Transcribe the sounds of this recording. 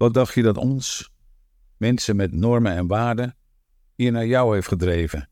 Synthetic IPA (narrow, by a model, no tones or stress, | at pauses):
ʋɑt̚dɑχtjədɑtɔns | mɛnsənmɛtnɔɹmənɛnʋaːɹdə | hiːɹnaːjɔwheftχədreːvən